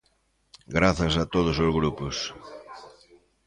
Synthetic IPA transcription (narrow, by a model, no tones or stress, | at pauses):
ɡɾaθɐs̬ɐt̪oð̞ʊsʊzɣɾupʊs